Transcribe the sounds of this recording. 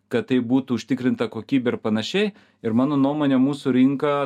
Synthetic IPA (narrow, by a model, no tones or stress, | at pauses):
kɐt̪̚t̪ɐɪbuːt̪ʊʊʃʲt̪ʲɪkɾʲɪnt̪ɐkoːkʲiːbʲɛɪɾpɐnɐʃʲɛɪ | ɪɾmɑːnoːnuɔmoːnʲemuːsʊɾʲɪŋkɐ